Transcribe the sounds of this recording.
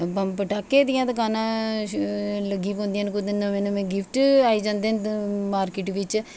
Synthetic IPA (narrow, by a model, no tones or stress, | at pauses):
pɐpəʈaːkːed̪ijãːd̪ɐkaːnã | ləɡːipõːnd̪ijaːnkʊd̪ənmenmẽːɡɪpʰʈaːid͡ʒãːnd̪enmaːɾkɪʈʋɪt͡ʃ